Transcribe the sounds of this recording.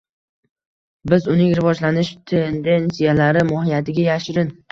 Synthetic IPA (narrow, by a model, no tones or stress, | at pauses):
bɪzʊnɪŋɾɪvɒd͡ʒlanɪʃt̪ʰend̪e̞nsijalaɾɪmɒhɪjat̪ʰɪɡʲajaʃɪɾɪn